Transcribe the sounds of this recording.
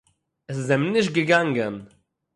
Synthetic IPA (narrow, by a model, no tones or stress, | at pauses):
ɛs̬ɪsɛmnɪʃt̚ɡəɡaŋɡən